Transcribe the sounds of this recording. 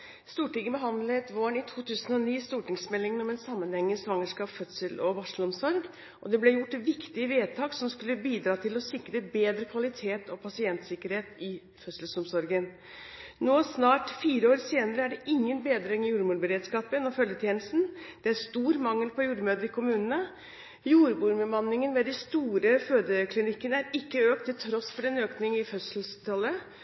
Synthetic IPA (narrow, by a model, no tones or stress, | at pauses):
st̪uːʈɪɡəbəɦɑnd̪ləɛt̪ʋoːɳɪt̪ʰuːt̪ʰʉːsənɔniːst̪uːʈɪŋsmɛlːɪŋnɔmɛnsɑmːənhɛŋːəsʋɑŋːəʂkɑːpfœt̪səlʔɔʋɑʂlɔmsɔɾɡ | ʔɔd̪ɛblɛjʊʈːʋɪkt̪ɪəʋeːd̪̚t̪ʰɑːɡsɔmskʉlːəbiːd̪ɾɑːt̪ʰɪlɔsɪkɾəbeːd̪ɾəkʰʋɑlɪt̪ʰeːt̪ʰɔpʰɑsɪɛnt̪sɪkəɾheːt̪ɪ | fœt̪səlsɔmsɔɾɡən | noːsnɑːʈfiːɾəoːɾseːnəɾəæɖɛʔɪŋːənbeːd̪ɾɛŋɪjuːɾmuːɾbəɾeːd̪skɑːpənɔfœljət̪ʰjeːnəst̪n̩d̪̥ɛæɾst̪uːɾmɑŋːəlpʰɔjuːɾmøːd̪əɾɪkʰʊmʉːnənə | juːɾbuːɾməmɑnːɪŋənʋɛd̪ɛst̪uːɾəføːd̪əkʰlɪnɪkːənəæɾɪkːəøːkt̪ʰːɪlt̪ʰɾɔsfɔɾɛnøːknɪŋɪfœsəlst̪ʰɑlːə